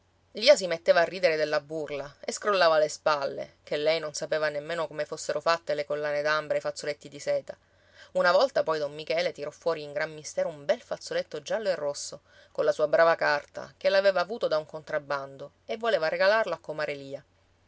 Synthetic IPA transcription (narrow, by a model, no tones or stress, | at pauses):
liːas̬imet̪ːeːvaːrːiːd̪eɾed̪elːabːurlaeskɾolːaːvalespalːḛkelːɛjnonsapeːvanemːeːnokomefosːeɾʔofat̪ːelekolːaːned̪ambɾefat̪sːolet̪ːid̪isɛːt̪a | unavɔlt̪apɔjd̪ɔmːikɛːlet̪iɾɔfːwɔːɾiːŋɡɾammist̪ɛːɾoumbɛlfat̪sːolet̪ːod͡ʒalːoerːosːo | konlasuːabɾaːvakart̪a̰k̟elaveːvaːvuːt̪od̪auŋkont̪ɾabːand̪o | evːoleːvaɾeɡalarloakːomaːɾeliːa